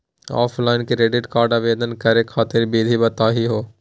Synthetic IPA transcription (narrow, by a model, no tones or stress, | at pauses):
ɔ̰ːfʰlaːɪnkiɾeːɖɪʈkaːɾɖaːʋeːd̪ənkɐɾekʰːaːt̪ɪɾbʱiːd̪ʱibɐt̪aːɦiɦoː